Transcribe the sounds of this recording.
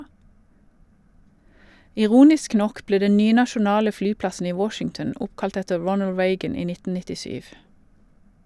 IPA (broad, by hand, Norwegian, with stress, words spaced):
ɪˈʁuːnɪsk ˈnɔk ˈbleː ˈdɛ ˈnyːə nɑʃʊˈnɑːlə ˈfɽyːˌpɽɑsn̩ ˈiː ˈwɔʃɪŋtn̩ ˈʊpkɑlt ˈɛtə ˈɹɔnəl ˈɹeɪɡən ˈiː ˈnɪtn̩ nɪtɪˈʃyːʋ